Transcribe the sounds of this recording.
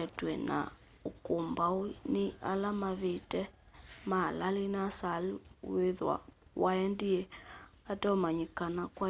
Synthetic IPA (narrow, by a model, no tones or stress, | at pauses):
ɛtwɛna̰ | okombawinɪa̰lamaβetɛ | malalinasalweðwa̰waɛndiɛatɔmaɲikanakwa